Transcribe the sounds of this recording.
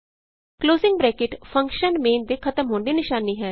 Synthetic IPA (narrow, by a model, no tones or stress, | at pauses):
kloːzɪŋɡbɾɛːkɪʈpʰə̃ŋkʃənmeːnd̪eːkʰət̪əmɦoːnd̪iːnɪʃaːniːɦɛː